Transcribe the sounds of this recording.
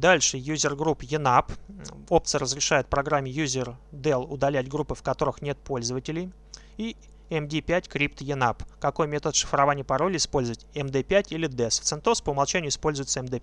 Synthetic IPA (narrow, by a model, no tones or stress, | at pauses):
d̪alʲʂɨjuzʲɪrɡɾupjɪnapo̞p̚t̪sɨəɾəzɾʲɪʂajʊt̪̚pɾɐɡɾamʲːɪjuzʲɪrd̪ɛlˠʊd̪ɐlʲætʲɡɾupːɨfkɐt̪o̞ɾɨxnʲet̪̚po̞lʲzəvətʲɪlʲɪj | i | ɛmdʲipʲætʲkɾʲipt̪jɪnapkɐko̞jmʲet̪ət̪ʂɨ̥fɾɐvanʲɪjəpɐɾo̞lʲɪjɪspo̞lʲzəvətʲɛmd̪ɛpʲætʲilʲɪd̪ɛsft̪sɨnt̪ospəʊmɐlˠt͡ɕænʲɪʊɪspo̞lʲzʊjɪt̪səɛmd̪ɛ